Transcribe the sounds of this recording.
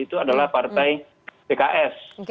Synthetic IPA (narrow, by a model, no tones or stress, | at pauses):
it̪uadalahpart̪aj | pekaʔɛs